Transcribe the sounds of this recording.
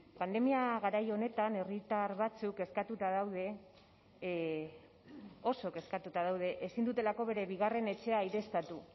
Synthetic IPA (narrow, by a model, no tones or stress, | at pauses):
pand̪e̞miaɣaɾajo̞ne̞t̪ane̞rit̪aɾβat͡suke̞skat̪ut̪aðawð̞e̞ | o̞so̞ke̞skat̪ut̪aðawð̞e̞ʔesind̪ut̪e̞lako̞βe̞ɾe̞βiɣ̞are̞ne̞t͡ʃe̞ajɾe̞st̪at̪u